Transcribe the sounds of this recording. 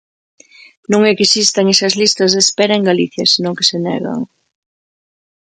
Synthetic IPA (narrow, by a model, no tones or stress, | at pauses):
nõŋɛkesist̪ɐŋesɐzlist̪ɐzðespɛɾɐeŋɡaliθjɐsinõŋke̥senɛ̰ɣɐ̰ŋ